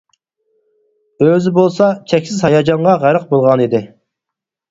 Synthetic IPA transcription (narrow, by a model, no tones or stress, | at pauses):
øzɪbolˠsɑt͡ʃʰɛkʲsɪzhɑjɑd͡ʒɑɴʁɑʁæɾəq̚bolˠʁɑnid̪ɪ